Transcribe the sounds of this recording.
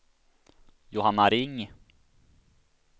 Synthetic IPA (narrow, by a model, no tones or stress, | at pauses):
jʊɦanːaɾɪŋː